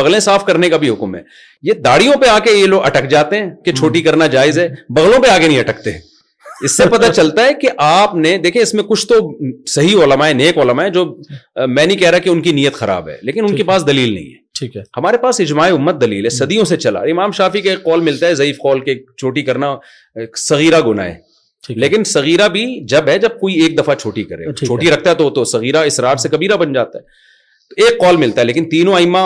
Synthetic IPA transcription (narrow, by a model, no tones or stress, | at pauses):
bɐɣlẽsaːfkɐɾnekabʱiɦʊkmɦɛ̰ː | jed̪aːɽijõpeaːkejeloːɡɐ̰ʈəkd͡ʒaːt̪eɦɛ̃ːket͡ʃʰoːʈikɐɾnad͡ʒaːɪzɦɛːbɐɣlõpeaːɡenɐɦĩɐʈəkt̪eɛ̃ | ɪsːepɐt̪at͡ʃɐlt̪aɦɛkeʔaːpned̪eːkʰẽɪsmẽkʊt͡ʃʰt̪osɐɦiɔːləmaɛneːkɔːləmaɦɛd͡ʒoːmɛ̃ːnɐɦĩkɛɦɾaɦkeʊnkinijət̪xɐɾa̰ːbɦɛ̰ːleːkɪnʊnkepaːs̬d̪ɐliːlnɐ̰ɦḭ̃ɦɛ̰ːʈʰiːkːhɐmaːɾepaːsɪd͡ʒmaːeʊmːət̪̚d̪ɐliːlɦɛsɐd̪ijõset͡ʃɐla̰ɾɪmaːmʃaːfikaeːkːɔːlmɪlt̪aɦɛzɐiːfqɔːlket͡ʃʰoːʈikɐɾna | sɐɣiːɾaɡʊna̰ːɛ̰ː | leːkɪnsɐɣiːɾabʱid͡ʒɐbɦɛd͡ʒɐb̚koːieːk̚d̪ɐfat͡ʃʰoːʈikɐɾḛːt͡ʃʰoːʈiɾɐk̚ʰt̪aɦɛt̪ot̪osɐɣiːɾaɪsɾaːɾsekɐbiːɾabɐnd͡ʒaːt̪aɦɛː | t̪eːkːɔːlmɪlt̪aɦɛleːkɪnt̪iːnõaːɪma